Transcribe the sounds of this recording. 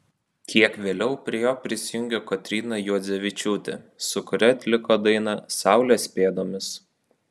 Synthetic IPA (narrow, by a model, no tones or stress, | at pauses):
kʲiɛkʋʲeːlʲɛʊpʲɾʲiɛjoːpʲɾʲɪsʲɪjʊŋʲɡʲɛkɔt̪ʲɾʲiːnɐjuɔd̪zʲɛʋʲɪt͡ʃʲuːt̪ʲɛ̰ | sʊkʊɾʲɛt̪ʲlʲɪkoːd̪ɐɪnɐsɑˑʊlʲeːsʲpʲeːd̪oːmʲɪs